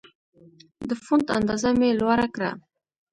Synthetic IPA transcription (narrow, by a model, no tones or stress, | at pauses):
d̪əfʊnd̪a̰nd̪ɑzamelwaɾakɾa̰